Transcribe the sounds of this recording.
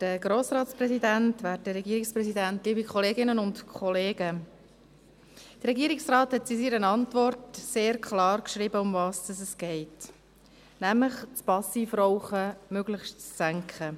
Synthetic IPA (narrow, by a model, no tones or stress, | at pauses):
d̥əɡɾoːsɾɑːtspɾɛzidæntʋæːtəɾɛɡiːɾɪkspɾɛsidæntliːbikʰχɔleːɡɪnənʊntkʰχɔleːɡə | d̥əɾɛɡiːɾɪksrɑːthɛtsisiɾənɑntʋɔrtseːɾkʰχlɑːɾkʃɾibəʊmvɑːsd̥ɑsɛsɡ̥ɛɪt | næmləχt͡spɑsiːfɾɔʊχəmøɡləχʃt͡ssæŋkχə